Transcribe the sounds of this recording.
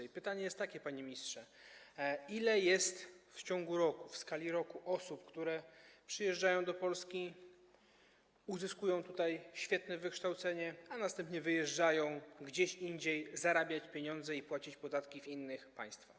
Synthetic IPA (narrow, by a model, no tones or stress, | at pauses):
pɘt̪aɲɛjɛst̪ːakʲɛpaɲimʲɲistʂɛ | ilɛjɛst̪ft͡ɕɔ̃ŋɡuɾɔkufskalʲiɾɔkuʔɔsupkt̪uɾɛpʂɘjɛʐd͡ʐajɔ̃w̃d̪ɔpɔlskʲi | uzɘskujɔ̃w̃t̪ut̪ajɕfʲjɛt̪nɛvɘkʂt̪awt̪sɛɲɛanast̪ɛmpɲɛvɘjɛʐd͡ʐajɔ̃w̃ɡd͡ʑeɕiɲd͡ʑejzaɾabʲjat͡ɕpʲjeɲɔnd̪zɛipwat͡ɕit͡ɕpɔd̪at̪kʲivinːɘxpa̰j̃st̪fax